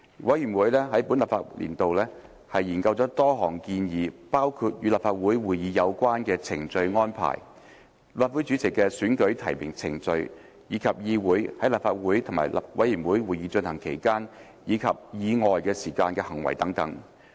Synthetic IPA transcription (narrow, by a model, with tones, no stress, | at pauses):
wʔɐ˨˥jyː˨˩nwuː˨˥jlɛ˥ɦɐ˨˥jpuː˨˥nlɐ˨pfaː˧t̚lḭ˨˩nt̪o˨wlɛː˥ | hɐ˨jːiː˨˩nkɐ˧wt͡sɔː˨˥t̪ɔː˥ɦɔː˨˩ŋkiː˧njiː˨˧paː˥wkʰu˧t̚jyː˨˧laː˨p̚faː˧t̚wuː˨˥jwuː˨jiː˨˧jɐ˨˧wkʷwaː˥nkɛː˧t͡sʰɪ̰˨˩ŋt͡sɵ˧ɥŋɔː˥npʰa̰ː˨˩j | laː˨˩t̚wu˨˥t͡syː˨˥t͡sʰɪ˨˩kːɛː˧syː˨˥nkɵ˨˥ɥt̪ʰɐ˨˩jmɪ̰˨˩ŋt͡sʰɪ˨˩ŋt͡sɵ˧ɥ | jiː˨˧kʰɐ˨p̚jiː˧wuː˨˥jhɐ˨˥jlaː˨p̚faː˧t̚wuː˨˥jt̪ʰŋma̰ː˨˩jlɐ̰˨wɐ̰˨˥jiː˨˩nwuː˨˥jwuː˨˩jiː˨˧t͡ʃɵ˧nhɐ˨˩ŋkʰe˨˩jkaː˥n | jiː˨˧kʰɐ˨p̚jiː˨˧ŋɔː˨jkɛː˧siː˨˩kaː˧nkɛː˧hɐ˨˩ŋwɐ̰˨˩jt̪ɐ˨˥ŋt̪ɐ˨˥ŋ